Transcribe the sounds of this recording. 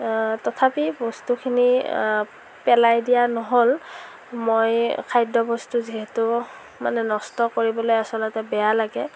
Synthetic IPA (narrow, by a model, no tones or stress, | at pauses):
tɔtʰapibɔstukʰini | pɛlajdijanɔɦol | mojkʰajdɔbɔstuziɦetʊ | ma̰nɛnɔstɔkoɹibɔlojasɔlɔtɛbɛjalaɡɛ